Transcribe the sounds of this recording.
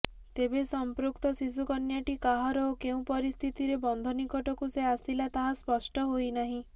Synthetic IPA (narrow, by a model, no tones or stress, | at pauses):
t̪ebesɔmpɾukt̪ɔsis̬ukɔnjaʈikaɦaɾɔokeũpɔɾist̪ʰit̪iɾebɔnd̪ʱɔnikɔʈɔkuseasilat̪aɦaspɔsʈɔɦojnaɦĩ